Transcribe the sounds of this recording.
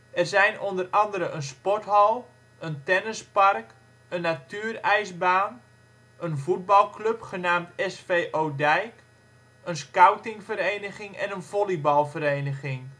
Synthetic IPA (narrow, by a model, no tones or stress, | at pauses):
ɛrzɛjnondərɑndəɾəʔənspɔtɦɔlˠ | əntɛnəspark | ənːatyːərɛjsbaːn | ənvud̚bɑlˠkʰløpχənaːmtɛsfeːʔoːdɛjk | ənskawtɪŋfəɾejnəχɪŋɛ̰nənv̥olibɑlˠfəɾejnəχɪŋ